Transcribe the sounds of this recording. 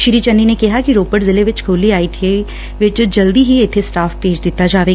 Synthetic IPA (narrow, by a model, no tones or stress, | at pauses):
ʃɪɾit͡ʃɐnːinekɪɦakiɾoːpəʈzɪleʋɪt͡ʃkʰoːliaːit̪ʰe | ʋɪt͡ʃd͡ʒɐld̪iɦiɪt̪ʰesʈaːfpeːt͡ʃd̪ɪt̪ad͡ʒaːʋeː